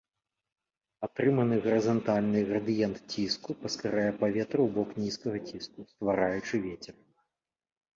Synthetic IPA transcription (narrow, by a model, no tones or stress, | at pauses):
at̪ɾɨmɐnɨɣɐɾɨzant̪alʲnɨɣɾɐd̪ɨjɛnt̪t͡sʲiskupɐskaɾajɛpavʲɛt̪ɾɨwbɔknʲiskɐɣɐt͡sʲiskust̪vaɾajut͡ʂɨvʲet͡sʲɛr